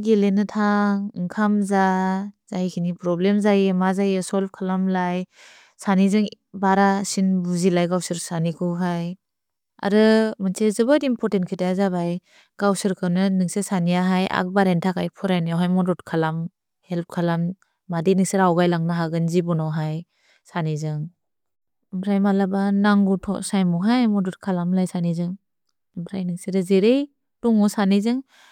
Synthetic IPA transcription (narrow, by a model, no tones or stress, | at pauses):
ɡelenɯtʰaŋɯŋkʰamzaz̥ajikʰinipɾɔblemzajmazajesɔlb̚kʰalamlaj | sanizɯŋ | baɾasinbuzilajɡawsɯɾsanikʰɯwɦaj | a̰ɾɯmɯntʰezɯbatimpʰɔɾtentkʰɯtazaβaj | ɡ̥awsɯɾkʰɯwnɯnɯŋsesanijaɦajʔa̰k̚baɾentʰakajpʰɔɾajnijawɦajmɔdɔtkʰalam | help̚kʰalamː | adinɯŋsiɾawɡajlaŋnaɦaɡɯnzibɔnawɦaj | sanizɯŋ | ɯmpʰɾajmalabanaŋɡutʰɔ̰sajmɔɦajmɔdut̚kʰalamlajsanizɯŋ | ɯmpʰɾajnɯŋsiɾɯzeɾej | tuŋɔsanizɯŋ